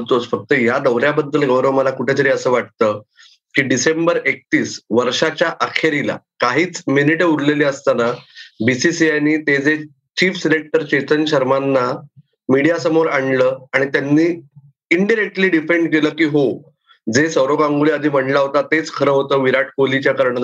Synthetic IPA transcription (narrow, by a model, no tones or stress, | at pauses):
t̪osfək̚t̪əjad̪əʋɾjabəd̪ːəlɡəwɾəʋəməlakuʈʰet̪əɾiːəsəːʋaʈ̚t̪əː | kiːɖisembəɾek̚t̪iːsʋəɾʂat͡ɕjaʔakʰeɾila̰kaɦiːt͡sminiʈeuɾleleəst̪anabisisiajniːt̪ed͡ze | t͡ɕiːfsenek̚ʈəɾt͡ɕet̪ənɕəɾmanːa | miɽijasəmoɾaɳləːaɽ̃it̪janːiː | iɳɖiɾek̚ʈliːɖifeɳɖkeləːkiːɦo | d͡zesəwɾoɡãŋɡuliəd̪ʱiːm̤əɳɖlaɦot̪at̪et͡skʰəɾəɦot̪əːʋiɾaʈʰkolit͡ɕjakəɾɳə